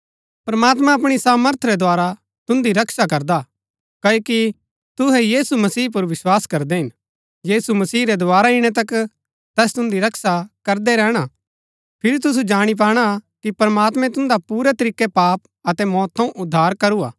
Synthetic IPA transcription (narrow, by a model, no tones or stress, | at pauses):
pɾɐmaːt̪mãɐpɽ̃isaːməɾt̪ʰɾɛd̪oaːɾa | t̪ʊ̃nd̪iɾɐksak̬ɐɾd̪a | kɐoki | t̪ʊɦɛjiːsumɐsiːp̬ʊɾʋɪswaːskɐɾd̪ɛɦɪn | jiːsumɐsiːɾɛd̪oaːɾaɪɽ̃ɛt̪̬ɐk | t̪ɛːst̪ʊ̃nd̪iɾɐksakɐɾd̪ɛɾɛːɽ̃a | pʰɪɾit̪̬ʊsud͡ʒaːɽ̃ip̬aːɽ̃akipɾɐmaːt̪mɛ̃t̪ʊ̃nd̪apuːɾet̪ɐɾiːkepaːp̚ | ɐt̪ɛmɔːt̪̚ʰːɐ̃ũʔʊd̪ʱːaːɾkɐɾua̰ː